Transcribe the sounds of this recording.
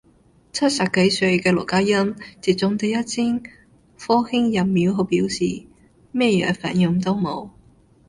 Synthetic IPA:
t͡sʰɐ˥t̚sɐ˨p̚ke˨˥jsɵ˧ɥkɛː˧lɔ˨˩kaː˥jɐ˥nt͡si˨˩t̚t͡sʊ˨˥ŋt̪e˨˩jɐ˥t̚t͡sʰiː˥ŋ | fɔː˥hɪ˥ŋjɐ˨mmːiː˨˥wɦo˨˧˥piː˨˥wsiː˨˩ | mɛː˥jœ̰ː˨˧˥fa̰ː˨˩njʊ˨˩ŋt̪o˥wmo˨˧w

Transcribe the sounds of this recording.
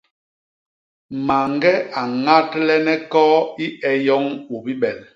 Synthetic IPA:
ma˨ŋɡɛ˦a˨ŋa˦tlɛ˦nɛ˦kɔː˦i˦ɛ˨jɔ˦ŋu˨bi˦ɓɛ˨l

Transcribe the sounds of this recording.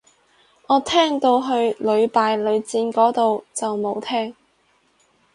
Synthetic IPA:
ɔː˨˧t̪ʰɛː˥ŋt̪o˧wɦɵ˧ɥlɵ˨˧ɥpaː˨˧jlɵ˨˧ɥt͡siː˧nkɔː˨˥t̪o˨wt͡sɐ˨wmo˨˧wt̪ʰɛː˥ŋ

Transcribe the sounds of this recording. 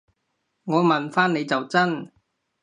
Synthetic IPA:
ŋɔː˨˧mɐ˨nfaː˥nne˨˧jt͡sɐ˨wt͡sɐ˥n

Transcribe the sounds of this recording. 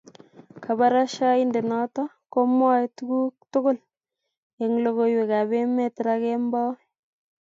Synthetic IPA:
kʰa˨ba˦ɾa˦ʃa˦i˦nde˨nɔ˦tɔ˦ | ko˦mwɔ˦tu˦ɡu˦k̚tʊ˦ɡʊ˦l | e˨ŋlo˨ɣo˨jwe˨ka˨be˦me˦tɾa˦kɛ˦mbɔ˦

